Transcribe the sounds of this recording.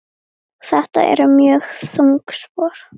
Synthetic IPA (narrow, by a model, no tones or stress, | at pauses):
θɛht̪a̰ʔɛ̰ɾʏmjœːɣθuŋkspɔːɾ̥